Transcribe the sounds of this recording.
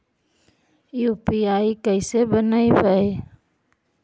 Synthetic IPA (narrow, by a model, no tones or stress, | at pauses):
juːpiaːikəɪsebənaːibəe